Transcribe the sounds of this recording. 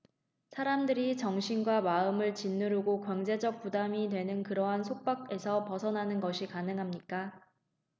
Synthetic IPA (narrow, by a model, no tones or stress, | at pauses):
sʰaɾamdɯɾit͡ɕʌŋɕʰinɡwamaɯmɯɭt͡ɕinːɯɾuɡokwʌŋd͡ʑe̞d͡ʑʌk̚p͈udamidwe̞nɯnkɯɾʌɦansʰok̚p͈ak̚e̞sʰʌpʌsʰʌnɦanɯnɡʌɕʰikanɯŋɦamɲik͈a